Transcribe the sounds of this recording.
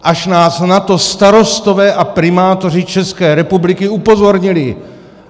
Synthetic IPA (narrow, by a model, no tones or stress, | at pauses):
ʔaʃnaːsnat̪o̞st̪aɾo̞st̪o̞vɛːʔapɾɪmaːt̪o̞rɪt͡ʃɛskɛːɾɛpublɪkɪupo̞zo̞ɾɲɪlɪ